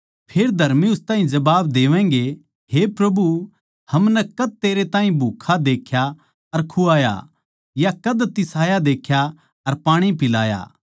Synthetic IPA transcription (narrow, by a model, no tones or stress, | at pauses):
pʰeːɾd̪ʱɐɾmiʊst̪ãːɦĩd͡ʒɐbaːbd̪eːʋɛ̃ːŋɡe | hepɾɐbu | hɐmnɛkɐd̪̚t̪eːɾet̪aːɦĩbʱuːkʰːad̪eːkʰja | ɐɾkʰuaːja̰ | jakɐd̪t̪ɪsaːjad̪eːkʰja | ɐɾpaːɽ̃ipɪla̰ːja̰ː